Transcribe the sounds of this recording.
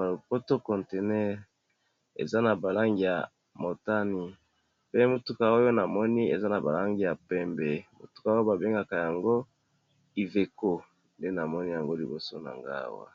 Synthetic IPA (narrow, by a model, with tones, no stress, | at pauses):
a˨lo˨po˦to˦kɔ˨nte˨nɛ˦ʁ | ḛ˨za˦na˨ba˨la˦ŋɡi˨ja˨ | mo˨ta˦ni˨ | pe˦mo˨tu˦ka˨o˦jo˦na˨mɔ˦ni˦ḛ˨za˦na˨ba̰˨la˦ŋɡi˦ja˨pɛ˦mbe˨mo̰˨tu̥˦ka˦o˦o˦ba˨be˦ŋɡa˨ka˨ja˨ŋɡo˦ | i˨ve˨ko˦ | nde˦na˨mɔ˦ni˦ja˨ŋɡo˦li˨bo˨so˦na̰˨ŋɡa̰˦wa̰˦